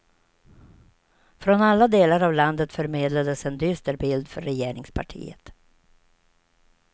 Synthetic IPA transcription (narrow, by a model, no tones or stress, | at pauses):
fɾɔnalːad̪eːlaɾavland̪ət̪fœɾmeːd̪lad̪əsɛnd̪ʏst̪əɾbɪld̪fœɾɛjeːɾɪŋspʰa̰ʈʰḭːə̰t̪